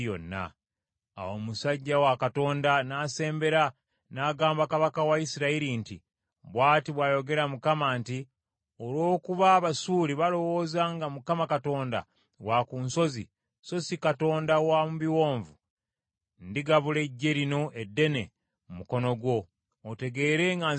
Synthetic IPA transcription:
jo̰nːa̰ | a̰womusaɟːawakato̞ːndanaːse̞ːmbe̞ɾa | naːɡaːmbakaβakawaisiɾaiɾintḭ | βwaːtiβwaːjo̞ɡe̞ɾamukamaːnti | olwo̞ːkuβaːβasuːɾiβalo̞wo̞ːzaŋɡamukamakato̞ːnda̰ | wakunso̞zḭ | so̞zikato̞ːndawamuβiwo̞ːɱvu | ndiɡaβule̞ɟːe̞ɾino̞ʔedːe̞ne̞ | mumuko̞no̞ɡwo̞ː | te̞ɡe̞ːɾe̞ŋɡa

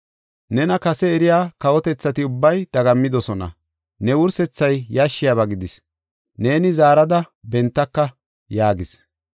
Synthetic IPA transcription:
nɛnɐkɐsɛːɾɪjaːkɐwɔt̪ɛt͡sːɐt̪ɪʊbːɐjd̪ɐɡɐmːɪd̪ɔsɔnɐ̰ | nɛwʊɾsɛt͡sːɐjjɐʃːɪjaβɐɡɪd̪ɪs | ne̞ːnɪzaːɾɐd̪ɐ | bɛnt̪ːɐkːɐ | jaːɡɪs

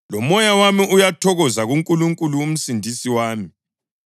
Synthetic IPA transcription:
lɔmɔjawamiʔujatʰɔɣɔzaɣuŋkʼuluŋkʼuluum̩sindʱisiwaːmi

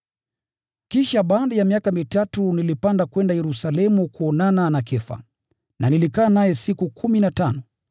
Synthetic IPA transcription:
kiʃaɓaːɗajamiakamitatunilipandakwɛndajɛɾusalɛmukuɔnananakɛfa̰ | nanilikaːnajɛsikukʰuminatanɔ

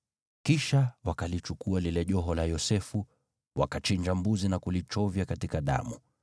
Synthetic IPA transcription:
kiʃawakalit͡ʃukualilɛʄɔɦɔlajɔsɛfu | wa̰kat͡ʃiɲd͡ʒambuzinakulit͡ʃɔvjakatikaɗa̰mu

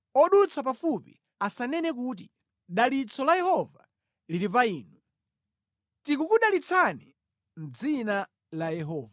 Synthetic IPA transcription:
ɔɗut͡sʰapafupḭ | asanɛnɛk̬uːt̬i | ɗalit͡sʰɔlajɛhɔva̰ | liɾipaiːnu | tikukuɗalit͡sʰani | n̩d͡zina | lajɛɦɔːva

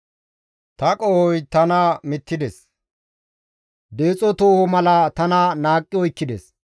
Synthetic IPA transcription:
t̪ɐkʼɔhɔjt̪ɐnɐmɪt̪ːɪd̪ɛs | d̪e̞ːt͡sʼɔt̪oːhɔmɐlɐt̪ɐnɐnaːkʼːɪɔjkːɪd̪ɛs

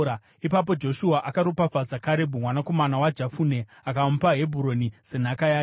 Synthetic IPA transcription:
ipap̬o̞d͡ʒo̞ʃuaʔakaɾopafad͡zakaɾe̞bʱumwanako̞manawad͡ʒafune̞ | akaumpaɦe̞bʱuɾo̞niz̥e̞n̤akajaː

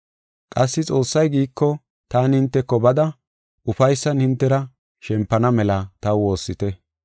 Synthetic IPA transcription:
kʼɐsːɪt͡sʼo̞ːsːɐjɡiːkːɔ | t̪aːnhɪnt̪ːɛkːɔbɐd̪ɐ | ʊfɐjsːɐnhɪnt̪ːɛɾɐ | ʃɛmpːɐnɐmɛlɐt̪ɐwo̞ːsːɪt̪ɛ

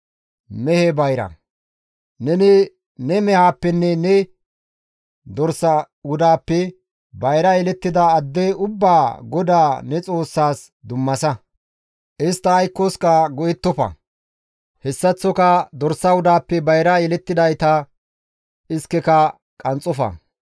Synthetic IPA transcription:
mɛhɛbɐjɾɐ̰ | nɛnɪ | nɛmɛhaːpːɛnːɛnɛ | d̪ɔɾsɐ | wʊd̪aːpːɛ | bɐjɾɐjɛlɛt̪ːɪd̪ɐːd̪ːɛʊbːaːɡɔd̪aːnɛt͡sʼo̞ːsːaːs | d̪ʊmːɐsɐ | ʔɪst̪ːɐɐjkːoskɐɡɔjɛt̪ːɔfɐ̰ | hɛsːɐt͡sːɔkɐd̪ɔɾsːɐwʊd̪aːpːɛbɐjɾɐjɛlɛt̪ːɪd̪ɐjt̪ɐ | ʔɪskːɛkɐ | kʼɐnt͡sʼːɔfɐ̰

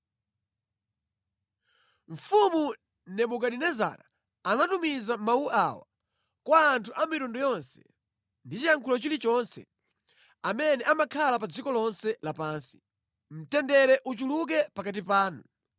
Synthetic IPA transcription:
ɱ̩fumu | nɛmukaɗinɛza̰ɾa | anatumizamauʔawa | kwaːntʰuʔamiɾundɔjɔnsɛ̥ | ndit͡ʃijaŋkʰulɔt͡ʃilit͡ʃɔnsɛ | amɛnɛʔamakʰalap̬ad͡zikɔlɔnsɛlapaːnsi̥ | m̩tɛndɛɾɛʔut͡ʃuluk̬ɛpakat̬ipaːnu

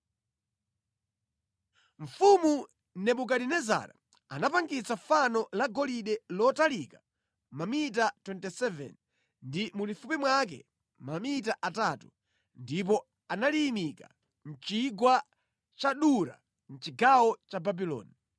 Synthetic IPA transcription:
ɱ̩fumu | nɛɓuk̬aɾinɛza̰ɾa̰ | anapaŋɡit͡safanɔlaɡɔliɗɛlɔtalikḁ | mamit̬atwɛntɛsɛvɛ̰n | ndimulifupimwak̬ɛ̰ | mamit̬aʔataːtu | ndip̬ɔ | analimika̰ | n̩t͡ʃiɡwa | t͡ʃaɗuɾa̰ | n̩t͡ʃiɡawɔt͡ʃababilɔ̰ːni

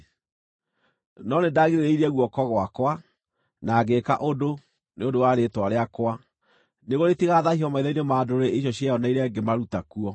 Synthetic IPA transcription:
nɔnedaɣiɾeɾeiɾɛɣwɔkɔɣoakwa | naɡeka̰ʔodo | neondowaɾetwaɾeakwa | neɣoɾetiɣaːðahiɔmaiðainemadoɾeʔeɕ̬ɔɕiaɔnaiɾɛɡemaɾutakuɔ

